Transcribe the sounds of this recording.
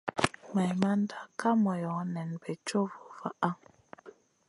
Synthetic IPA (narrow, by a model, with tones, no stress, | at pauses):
ma˨jma˦n˦da˨ka˦mɔ˨jɔ˨˦nɛ˨nbɛ˨t͡ʃo˦vɔ˨va˨ʔa˦ŋ